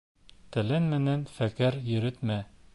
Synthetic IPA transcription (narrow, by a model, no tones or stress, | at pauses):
t̪ɘ̆lænmæ̆nænfækæɾjɘ̆ɾɘt̪mæ